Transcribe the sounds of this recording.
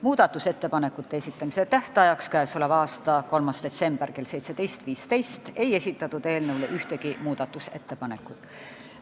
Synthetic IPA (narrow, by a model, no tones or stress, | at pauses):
muːd̪̥ɑt̪ˑːuse̞t̪ːe̞pɑne̞kːˑut̪ˑːe̞esʲit̪ˑːɑmiset̪æht̪ɑjɑkskæeːso̞levɑːst̪ɑko̞lmɑsd̪̥e̞t̪se̞mb̥erke̞lse̞jt̪se̞d̪e̞jst̪viːst̪e̞jst̪e̞je̞sʲit̪ːˑɑt̪ːud̪e̞ːlnewleʔyht̪e̞ɡimuːd̪̥ɑt̪ːˑuse̞̰t̪ːe̞pɑne̞kːˑut̪ːˑ